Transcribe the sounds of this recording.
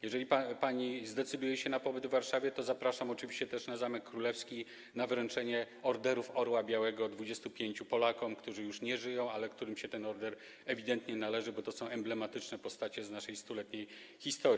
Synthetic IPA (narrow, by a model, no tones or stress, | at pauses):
jɛʐɛlʲippaɲizd̪ɛt̪sɘd̪ujɛɕɛnapɔbɘd̪vːaɾʂavʲjɛt̪ɔzapɾaʂamɔt͡ʂɘvʲiɕt͡ɕɛt̪ɛʂnazamɛkːɾulɛfskʲi | navɾɛnt͡ʂɛɲɛ | ɔɾd̪ɛɾufɔɾwabʲjawɛɡɔd̪vud͡ʑɛst̪upʲjeɲt͡ɕupɔlakɔmkt̪uʐɘjuʂɲɛʐɘjɔ̃w̃alɛkt̪uɾɘmɕɛt̪ɛnɔɾd̪ɛɾ | ɛvʲid̪ɛnt̪ɲɛnalɛʐɘbɔt̪ɔsɔ̃w̃ɛmblɛmat̪ɘt͡ʂnɛpɔst̪at͡ɕɛznaʂɛjst̪ulɛt̪ɲej | xʲist̪ɔɾ